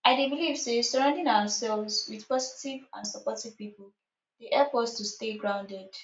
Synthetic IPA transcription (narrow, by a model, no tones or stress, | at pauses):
aɪdebilivsesɔɹãʊ̃ndɪ̃ŋaʊəsɛlˠvzwiðpɔzitivã̰nsəpɔtiv̥pipl̩ˠ | deʔɛlpɔstusteɡɹãʊ̃ndɛd̥